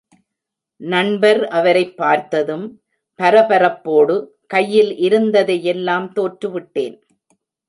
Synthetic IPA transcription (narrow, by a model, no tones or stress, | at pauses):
nɐɳbɐɾɐʋɐɾɐɪpːaːɾt̪ɐðɯm | pɐɾɐpɐɾɐpːoːɽɯ | kɐjːɪlʔɪɾɯnd̪ɐðɐjɛlːaːmt̪oːʈrɯʋɪʈːeːn